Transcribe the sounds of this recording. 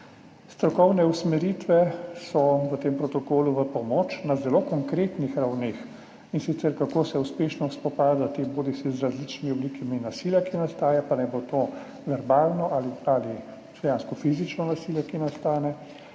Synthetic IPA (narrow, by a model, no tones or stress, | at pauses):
st̪ɾɔkɔwnɛusmɛɾit̪ʋɛsɔʋət̪eːmpɾɔt̪ɔkoːluʋəpɔmoːt͡ʃnazɛloːkɔŋkɾeːt̪nixɾawneːx | insit̪sɛɾkakoːsɛuspeːʃnɔspɔpaːd̪at̪eboːd̪isizɾazlit͡ʃnimiɔblikiminasiljakinast̪aːjapanajbot̪o | ʋɛɾbaːlnɔʔaliali | d̪ɛjaːnskɔfizit͡ʃnɔnasiljakinast̪aːnɛ